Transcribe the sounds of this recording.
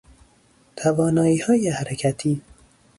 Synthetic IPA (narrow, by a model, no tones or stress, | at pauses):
t̪ʰavɒːnɒːiːhɒːjehæɾekʰæt̪ʰiː